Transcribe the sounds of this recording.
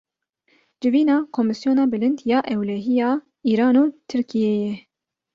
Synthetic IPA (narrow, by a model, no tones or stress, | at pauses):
d͡ʒɪviːnɑːkʰomɨsjoːnɑːbɨlɨnd̪jɑːʔɛwlɛɦijɑː | iːɾɑːnuːt̪ʰɨɾkʰijeːjɛ